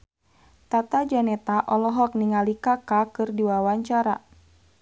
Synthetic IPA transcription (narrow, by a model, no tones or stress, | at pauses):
t̪at̪ad͡ʒanɛt̪aʔɔlɔɦɔk̚niŋalikakakɨrdiwawaɲt͡ʃaɾa